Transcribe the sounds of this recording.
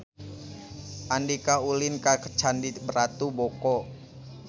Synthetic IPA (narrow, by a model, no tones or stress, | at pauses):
ʔandikaulɪnkakə̥t͡ʃandibəɾat̪ubɔkɔ